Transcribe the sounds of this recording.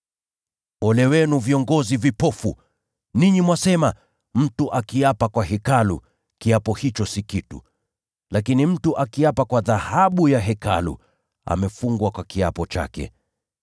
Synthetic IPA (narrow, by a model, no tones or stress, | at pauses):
ɔlɛwɛnuviɔŋɡɔzivipɔfu | niɲimwasɛma | m̩tuʔakiapakwaɦɛkalṵ | kiapɔhit͡ʃɔsikitṵ | lakinim̩tuʔakiapakwaðahaɓujaɦɛka̰lṵ | a̰mɛfuŋɡwakwakiapɔt͡ʃa̰kɛ̰